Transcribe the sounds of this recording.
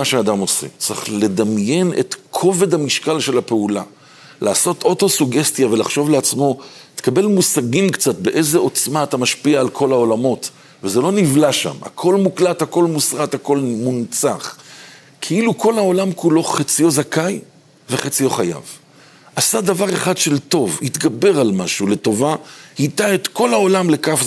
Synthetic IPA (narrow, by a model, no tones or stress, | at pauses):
aʃead̪amo̞sḛt͡sʁiχle̞d̪amje̞nḛt̪kʰo̞ve̞d̪hamiʃkalʃe̞lape̞ula̰ | lʔaːso̞tʰo̞to̞suɡest̪jave̞laχʃo̞vleat͡smo̞t̪e̥kabe̞lmusaɡimkt͡sat̚be̞ʔe̞zeo̞t͡smaːt̪amaʃpiaːlkʰo̞lao̞lamo̞t | vezelo̞nivlaʃa̰ma̰kʰo̞lmuklathako̞lmusʁat̪hako̞lmunt͡saχ | kʰeilukʰo̞lhao̞lamkulo̞χat͡sijo̞zakaj | ve̞χat͡sijo̞χaja̰v | ʔasadavaʁeχadʃe̞lto̞vhit̪ɡabe̞ʁalmaʃule̞to̞vahit̪ae̞t̪ko̞lao̞lamle̞kaf